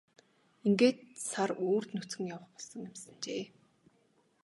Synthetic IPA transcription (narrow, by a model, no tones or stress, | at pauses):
iŋɡeːt̪̚saroːr̥t̪nut͡sɡɘ̆ŋjawə̆χpɔɮsə̆ŋemsə̆nt͡ɕeː